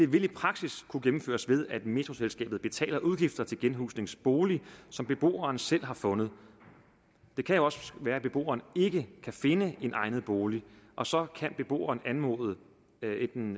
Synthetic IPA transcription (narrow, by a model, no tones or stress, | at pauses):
d̥e̝ʋel̥ipʰʁɑ̈ɡ̥siskʰuɡ̥emm̩fø̰ːɐsʋe̝ð̞ˠæd̥me̝t͡sʰʁo̝selsɡ̥ɛ̰ːb̥ð̩ˠb̥e̝t͡sʰɛ̰ːlɐʔuð̞ˠɡ̥ifd̥ɐt͡sʰe̝lɡ̥enɦṵːsne̝ŋsb̥o̝ːlisɒ̽mb̥e̝b̥o̝̰ːɐːnsel̰ɦɑ̈fɔ̽nð̞̩ˠ | d̥e̝kʰæjo̝ɒ̽sʋæːɐæb̥e̝b̥o̝̰ːɐːne̝ɡ̥əkʰæfe̝nəe̝nʔɑ̈ɪnð̩ˠb̥o̝ːliʔɒ̽sɒ̽kʰænb̥e̝b̥o̝̰ːɐːnænmo̝̰ðˠə | e̥